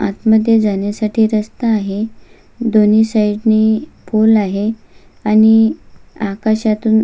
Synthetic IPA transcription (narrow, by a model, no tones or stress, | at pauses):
at̪məd̪ʱjed͡zanjasaʈʰiːɾəst̪aːɦe | d̪oniːsaiʈnepolaɦe | añi | akaɕat̪uːn